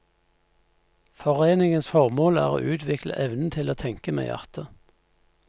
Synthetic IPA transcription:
fɔʁeːnɪŋənsfɔʁmoːlæ̰ːʁo̰ːʔʉːt̪ʰʋɪklə̰ʔɛʋnn̩t̪ʰɪloːt̪ʰɛŋkəmḛːjʔæ̰ʁt̪ʰə

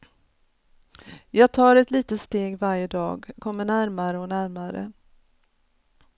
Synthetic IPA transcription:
jɑːɡ̚t̪ʰɑːɾɛt̪liːt̪ət̪st̪eːɡvaɾjəd̪ɑ̰ːɡkʰɔmːəɳæɾmaɾəɔnæɾmaɾə̰

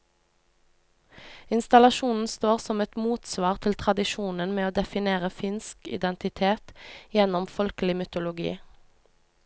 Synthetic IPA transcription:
ɪnst̪ɑlɑʃuːnn̩st̪oːʁsɔmɛt̪muːt̪sʋɑːʁt̪ʰɪlt̪ʰʁɑd̪ɪʃuːnənmeːoːd̪ɛfɪneːʁəfɪnskɪ̰d̪ɛnt̪ɪt̪ʰeːt̪jɛnɔmfɔlkəlɪmʏt̪ʊlʊɡḭː

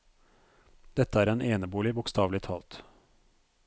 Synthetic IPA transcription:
d̪̥ɛt̪əæːɾeːnʔeːnəbuːlɪbʊkst̪ɑːʋlɪt̪ʰɑːlt̪

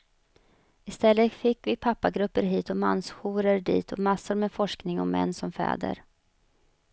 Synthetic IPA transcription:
ɪst̪ɛlːəfɪkːvɪpʰapːaɡɾɵpːəɾɦiːt̪ɔma̰nːsɧuːɾəɾɖḭːt̪ʰɔmasːʊɾmɛfɔʂknɪŋɔmɛ̰nːsɔmfɛ̰ːd̪ə̰ɾ

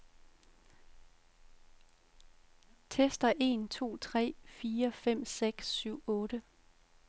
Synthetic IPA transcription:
t͡sʰesd̥ɐʔe̝ːnt͡sʰo̝̰ːt͡sʰʁɛ̰ːfiːɐfem̰seɡ̥syʊ̰ɔ̽ːɾ̥ə

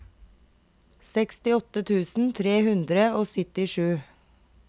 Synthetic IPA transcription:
sɛkst̪ɪɔt̪ət̪ʰʉːsn̩t̪ʰɾeːhʉnd̪ɾəoːsʏt̪ɪʃʉː

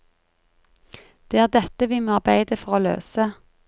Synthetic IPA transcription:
d̪̥eːæːʁd̪ɛt̪əʋɪːmoːɑʁbæɪd̪əfɔʁoːlø̰ːsə

